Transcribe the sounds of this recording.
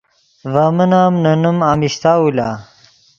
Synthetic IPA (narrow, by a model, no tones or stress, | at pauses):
vamɐnaːmnɐnumamiɕt̪aːulaː